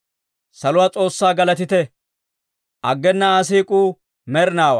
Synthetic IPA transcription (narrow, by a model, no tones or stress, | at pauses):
sɐlʊwaːt͡sʼo̞ːsːaːɡɐlɐt̪ɪt̪ɛ | ʔɐɡːɛnːɐas̬iːkʼuː | mɛɾnaːwɐ̰